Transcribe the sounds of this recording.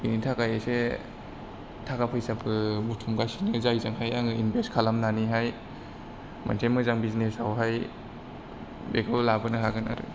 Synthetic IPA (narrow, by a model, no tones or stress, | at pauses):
initʰakajese | tʰakapʰɯjsapʰɯbutʰumɡasinɯzajzaŋhajaŋɯinbeskʰalamnaniɦaj | ma̰ntʰemɯzaŋbiznesawɦaj | bekʰallabɯnɯɦaɡɯna̰ɾɯ̰